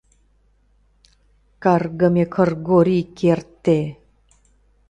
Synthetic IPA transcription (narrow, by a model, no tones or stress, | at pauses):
karɡəmekʰə̆rɡoɾikert̪ːe